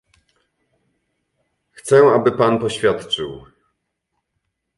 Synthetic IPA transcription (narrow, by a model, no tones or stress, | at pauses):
xt̪sɛabɘpanpɔɕfʲjat̪t͡ʂɘw